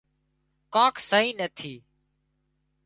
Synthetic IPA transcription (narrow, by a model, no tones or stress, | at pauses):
kãːkʰsəɦiːneːt̪ʰiː